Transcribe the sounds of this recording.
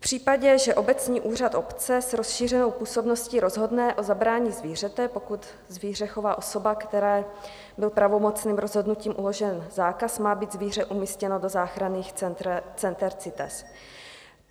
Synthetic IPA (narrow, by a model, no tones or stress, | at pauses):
fpr̝̥iːpaɟɛʒɛʔo̞bɛt͡sɲiːʔuːr̝at̪ʔo̞pt͡sɛsɾo̞sʃiːr̝ɛno̞wpuːso̞bno̞sciːɾo̞zɦo̞dnɛʔo̞zabɾaːɲiːzviːr̝ɛt̪ɛpo̞kut̪ | zviːr̝ɛxovaːʔo̞so̞bakt̪ɛɾɛː | bɪlpɾavo̞mo̞t͡sniːmɾo̞zɦo̞dnuciːmʔulo̞ʒɛnzaːkasmaːbiːd̪zviːr̝ɛʔumiːscɛno̞do̞zaːxɾaniːxɛɛt͡sɛnt̪ɛɾt͡sɪt̪ɛ̰s